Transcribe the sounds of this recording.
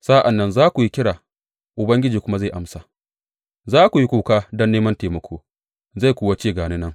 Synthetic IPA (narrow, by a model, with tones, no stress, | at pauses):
saː˦ʔa˨nːɐ˦nzaː˦kʷu˨ji˦kʲɪ˦ɽaː˨ | ʔʊ˨bɐ˦ŋɡʲɪ˦d͡ʒiː˨kʷʊ˦ma˦za˦˨ʔa˦msa˨ | zaː˦kʷu˨ji˦kʷuː˨kaː˦dɐ˦nːeː˦mɐ˦nteː˨mɐ˦kʷʰoː˦ | za˦˨jkʷuː˨wa˦t͡ʃeː˦˨ɡaː˨ne˦nɐ˦ŋ